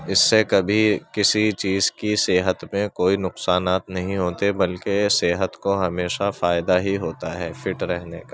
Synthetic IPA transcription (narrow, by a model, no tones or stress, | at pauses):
ɪsːekɐbʱikɪsit͡ʃiːzkiseːɦət̪mẽkoːinʊqsaːnaːt̪nɐɦĩɦoːt̪ebɐlkeseːɦət̪koɦɐmeːʃafaːɪd̪aɦiɦoːt̪aɦɛːfɪʈɾɛɦnḛka